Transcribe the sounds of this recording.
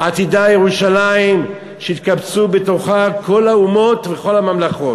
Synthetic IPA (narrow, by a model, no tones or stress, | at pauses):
at̪idajeʁuʃalaim | ʃeit̪kabt͡sube̞to̞χakʰo̞laumo̞t̪veχo̞lamamlaχo̞